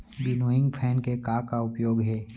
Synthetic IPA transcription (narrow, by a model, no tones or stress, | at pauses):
bɪnoːɪ̃ŋɡpʰɛːnkekaːkaʊpjoːɡɦɛː